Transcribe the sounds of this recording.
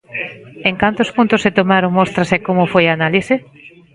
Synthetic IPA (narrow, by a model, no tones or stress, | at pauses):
eŋkant̪ʊspunt̪ʊsːet̪omaɾoŋmost̪ɾasekomʊfojaːnalise